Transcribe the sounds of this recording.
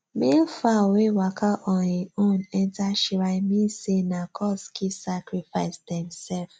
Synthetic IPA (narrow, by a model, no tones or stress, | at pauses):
mefawewakʰaʔɔhiõnɛntaʃiɾamĩsenakʰɔskʰisakɾifaɪsdɛmsɛlf